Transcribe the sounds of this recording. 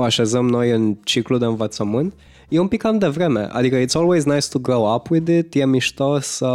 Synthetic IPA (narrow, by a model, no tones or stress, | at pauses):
aʃezəmno̞jɨnt͡ʃiklud̪e̞ɨnvət̪səmɨnt̪ | jeumpikːamd̪evɾe̞mḛʔa̰d̪ikəit̪solweznajst̪uɡɾoʊapwɪd̪ɪt̪jemiʃt̪os